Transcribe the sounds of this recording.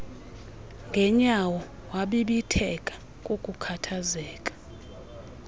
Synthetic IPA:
ŋɡʱɛɲawɔ | waɓiɓitʰɛkʼḁ | kʼokʼukʰatʰazɛːkʼḁ

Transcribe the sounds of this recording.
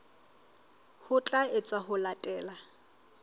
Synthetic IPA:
hʊt͡ɬʼaɪt͡sʼwaɦʊlatʼɛːla

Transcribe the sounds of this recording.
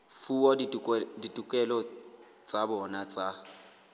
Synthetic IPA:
fuɔiditʼukʼɛlɔ | t͡sʼabɔnat͡sʼa

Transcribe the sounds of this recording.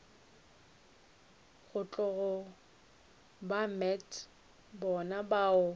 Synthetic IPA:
ɣʊt͡ɬʼʊɣɔ | bamɛt | bɔnabaːʊ

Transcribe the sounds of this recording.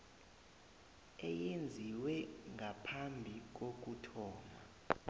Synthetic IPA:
ɛjend͡zʱiwɛŋʱapʰambʱik̬ok̬utʰɔːma

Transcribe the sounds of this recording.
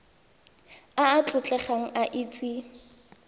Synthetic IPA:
aːt͡ɬʼʊt͡ɬʼɛχaŋ̩ʔaʔiːt͡sʼi

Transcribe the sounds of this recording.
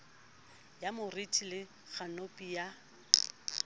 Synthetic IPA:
jamʊritʰʼilɪ | ɣanopʼija

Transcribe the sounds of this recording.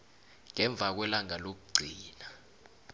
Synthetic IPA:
ŋɛɱb̪vʱak̬wɛlaŋalok̬uɡ͡ǀʱiːna

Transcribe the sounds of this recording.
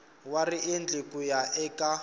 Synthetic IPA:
wariend͡ɮekujaʔɛkʼa

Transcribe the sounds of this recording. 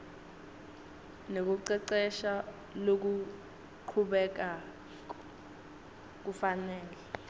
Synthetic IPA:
nek̬uǀɛǀɛʃa | lok̬u | ǃʰuɓɛk̬a | k̬ufanɛːlɛ

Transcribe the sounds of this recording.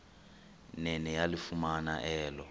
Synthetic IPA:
nɛnɛjalifumanaʔɛːlɔ

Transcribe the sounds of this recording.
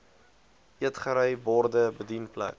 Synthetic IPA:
iətχəɾəjbɔrdəbədinplæ̰k

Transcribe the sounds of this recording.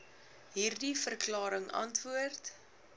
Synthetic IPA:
ɦiːrdifərklɑːɾəŋɐ̰ntvuərt

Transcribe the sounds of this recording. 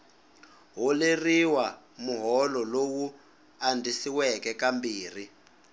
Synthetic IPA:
ɦɔleriwa | muɦɔlɔlowu | andʱisiwɛkɛkambiːr̤i

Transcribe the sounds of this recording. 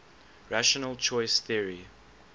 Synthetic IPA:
ɹaʃɔnəlt͡ʃʰɔɪsθiəɹi

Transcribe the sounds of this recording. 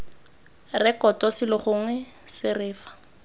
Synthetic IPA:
rɛkɔtʼɔsɪlɪχʊŋwɛ | sɪrɪːfḁ

